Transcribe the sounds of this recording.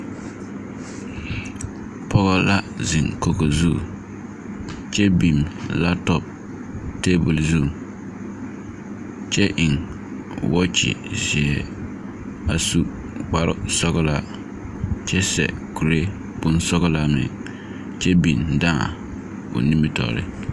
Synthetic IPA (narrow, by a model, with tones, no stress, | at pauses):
pɔ˦ɣɔ˦la˦zɪ˨ŋko˦ɣo˨zṵ˦˨ | t͡ʃɛ˦bi˨mla˦tɔ˨p̚ | te˦bu˨lzu˦˨ | t͡ʃɛ˦ʔɪ˨ŋ | wɔ˦t͡ʃɪ̰˨zi˨ɛ˨ | a˨su˦ | k͡pa˦ɾʊ̰˦sɔ˦ɣʊ˦la˦ | t͡ʃɛ˦sɛ̰˨ku˨ɾe˦ | b̥ʊ˦nsɔ˦ɣʊ˦la˦mɪ̰˨ | t͡ʃɛ˦bi˨nda̰˦˨ | ʊ̰˨ni˦mi˦tɔ̰˨ɾɪ̰˦